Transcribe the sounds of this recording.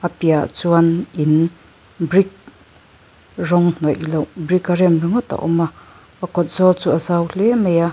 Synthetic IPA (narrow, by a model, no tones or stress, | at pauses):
apiat͡suanʔin | brik̚ | rɔŋn̥ɔjlowbrikaɾɛnbiŋɔt̪a̰ʔɔmaː | kɔt̪̚zɔlt͡suʔazawɬɛmeja